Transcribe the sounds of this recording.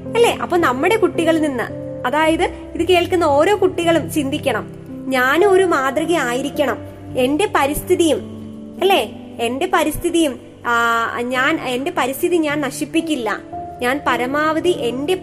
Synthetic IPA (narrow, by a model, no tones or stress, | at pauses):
ɐlːe̞ːʔɐ̰pːɐːnɐmːuɽe̞kuʈːiɣɐɭninːɨ̰ | ɐðaːjɐðɨ | iðɨke̞ːɭkːunːɐo̞ːɾo̞ːkuʈːiɣɐɭumt͡ɕind̪ʱikʲːɐɳɐm | ɲaːno̞ɾumaːd̪rɐɣɐaːjiɾikʲːɐɳɐm | e̞nde̞pɐɾist̪ʰiðijum | ɐlːe̞ː | e̞nde̞pɐɾist̪ʰiðijum | ɲaːne̞nde̞pɐɾist̪ʰiðiɲaːnnɐɕipːikʲːilːɐ̰ɲaːnpɐɾɐmaːʋɐðiʔe̞nde̞